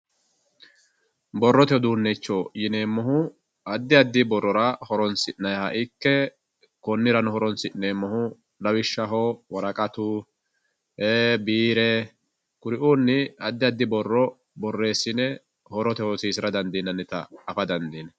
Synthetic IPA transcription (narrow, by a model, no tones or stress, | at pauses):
bɔrːɔt̪ɛd̪uːnːɛt͡ʃːoːjɪneːmːɔɦʊ | ɐd̪ːɪɐd̪ːɪbɔrːɔɾɐhɔɾɔnsɪʔnɐjhɐʔɪkːɛ | kɔnːɪɾɐnʊhɔɾɔnsɪʔneːmːɔhʊ | lɐwɪʃːɐɦɔwɐɾɐkʼɐt̪ʊ | heːbiːɾɛ | kʊɾɪʔuːnːɪɐd̪ːɪɐd̪ːɪbɔrːɔ | bɔrːe̞ːsːɪnɛ | hɔɾɔt̪ɛhɔsiːsɪɾɐd̪ɐnd̪inːɐnːɛt̪ɐ̰ːfɐd̪ɐnd̪iːn